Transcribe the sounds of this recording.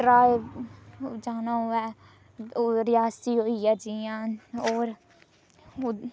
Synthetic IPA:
ɾaːe | d͡ʒaːnaɦʊɛ | ɾɪjaːst̪iɦoijad͡ʒijãːoːɾ

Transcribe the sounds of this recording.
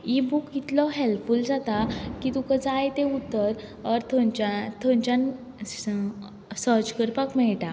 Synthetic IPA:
ibukit̪lɔɦelfuld͡zat̪akit̪ukəd͡zajt̪eut̪ːəɾəɾt̪ʰɔ̃nt͡ɕat̪ʰɔ̃ɲt͡ɕãn | səɾd͡ʑkəɾpakmɛɭʈa

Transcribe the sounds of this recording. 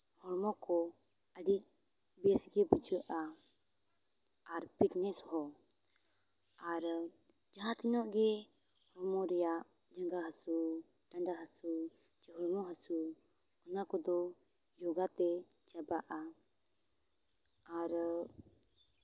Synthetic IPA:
hɔɾmɔkɔəɖik̚bɛsɡɛbud͡ʒəʔa | aɾpiknɛshɔ | aɾd͡ʒaɦãt̪inɔʔɡɛhɔɾmɔɾɛjaʔdaŋdaɦasud̪andaɦasud͡ʒɛɦɔɾmɔɦasuhɔnakɔd̪ɔ | jɔɡat̪ɛd͡ʒabaʔa | aɾ

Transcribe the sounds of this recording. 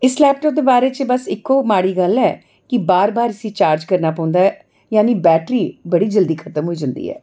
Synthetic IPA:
ɪslɛːp̚ʈɔːp̚d̪eːbaːɾeːt͡ʃbəsɪkːoːmaːɽiːɡəlːɛː | kɪbaːɾbaːɾəsĩːt͡ʃaːɾd͡ʒkəɾnaːpãːnd̪aː | jaːniːbɛːʈɾiːbəɽiːd͡ʒəld̪iːkʰət̪əmɦoːiːd͡ʒãːnd̪ḭːɛ̰ː

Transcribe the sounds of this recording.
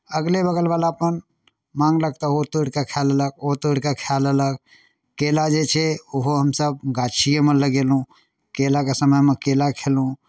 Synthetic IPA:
əɡlebəɡəlbalaəpən | mãŋɡlək̚t̪ɔɦot̪oɽkekʰalələk̚ot̪oɽkekʰalələk̚ | kelad͡ʒet͡ʃʰɛoɦoɦəmsəb̚ɡat͡ʃʰijəmeləɡelɦũ | kelakesəməjmekelakʰelɦũ

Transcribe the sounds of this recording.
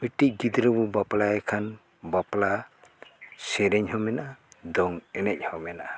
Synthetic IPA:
miʈic̚ɡid̪ɾɔbubaplaɛkʰan | bapla | sɛɾɛɲɦɔmɛnaʔad̪ɔŋɛnɛc̚ˀhɔmɛnaʔa

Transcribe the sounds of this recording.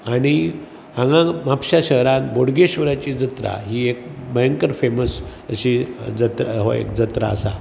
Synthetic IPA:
aɽ̃i | ãŋɡãmapɕaɕəɦɾãnboɽɡeɕʋəɾat͡ɕiːd͡zət̪ɾa̰ɦiːek̚məjəŋkəɾfeməs | əɕid͡zət̪ɾaɦo̰ḛkd͡zət̪ɾaəsa

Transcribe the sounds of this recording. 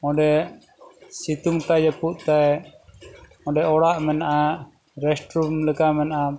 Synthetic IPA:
ɔ̃ɖɛ | sit̪uŋt̪ajd͡ʒɛpuʔt̪aj | ɔ̃ɖɛʔɔɽaʔmɛnaʔa | ɾɛsʈɾumləkamɛnaʔa

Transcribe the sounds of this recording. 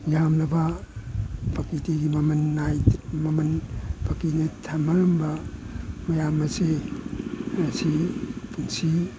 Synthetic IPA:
jamnɐba | pʰakitiɡimɐmɐnːajmɐmɐnpʰakinitʰamɐɾɐmba | mɐjamɐse | asipʰuŋsi

